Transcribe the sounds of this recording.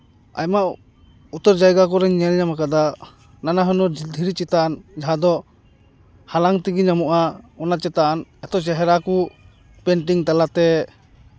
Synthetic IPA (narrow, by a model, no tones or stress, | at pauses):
a̰jmaʔ | ut̪ɔɾd͡ʒajɡakɔɾɛŋɲɛlɲamakad̪a | nanaɦɯnɔd͡ʒild̪ʱiɾit͡ʃit̪and͡ʒaɦad̪ɔ | halaŋt̪iɡiɲamuʔaɔnat͡ʃɛt̪anɛt̪ɔt͡ʃɛɦɛɾaku | pɛnʈ̬iŋt̪alat̪ɛ